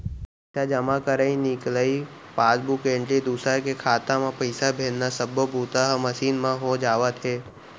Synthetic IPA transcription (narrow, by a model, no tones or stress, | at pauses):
sad͡ʒəmãkəɾəĩnɪkləi | paːsbukẽɳʈɾid̪uːsakekʰaːt̪ãmãpəɪsabʱẽːnnasəbopuːt̪aɦməʃiːnmãɦod͡ʒaːʋat̪ʰɦeː